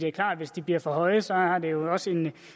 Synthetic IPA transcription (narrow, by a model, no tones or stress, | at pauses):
iæɐkʰlɑ̰̈ːd̥ʋe̝sd̥ib̥liɐ̰fɒ̽hɒ̽ɪsɒ̽ɑd̥e̝jo̝ɒ̽səe̝n